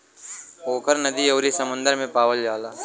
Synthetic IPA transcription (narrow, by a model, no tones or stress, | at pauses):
oːkəɾnɐd̪ioːɾisɐmʊ̃nd̪əɾmẽpaːʋəld͡ʒaːlaː